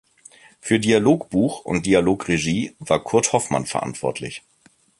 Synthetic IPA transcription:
fyːɐdialoːkb̥uːxʔʊ̰nt̚d̥ialoːkʁeʒiːvaːɐkʰʊɐthɔfma̰nfɛɐʔa̰ntv̥ɔ̰ɐtʰlɪ̰ç

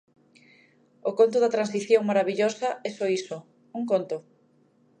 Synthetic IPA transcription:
okont̪̬ʊðɐt̪ɾansiθjoŋmaɾaβiʎosɐɛsoiso | uŋkont̪o

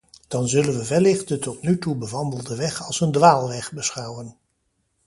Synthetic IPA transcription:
d̥ɑnzɵlənʋəvɛlɪχt̚dətɔtnytubəʋɑndəlˠdəʋɛχɑlˠsəndʋaːlˠʋɛχbəsχɑwən

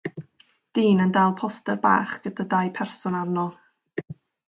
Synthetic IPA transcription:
d̥iːnəndalˠpʰɔstɛrba̰ːχɡ̥ədadajpʰɛrsʊnarnɔlˠ

